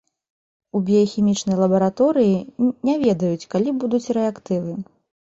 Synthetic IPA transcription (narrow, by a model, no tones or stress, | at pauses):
ubʲɛjxʲimʲit͡ʂnɐjlˠɐbɐɾat̪ɔɾɨjinʲavʲɛd̪ɐjut͡sʲkalʲibud̪ut͡sʲrɛakt̪ɨvɨ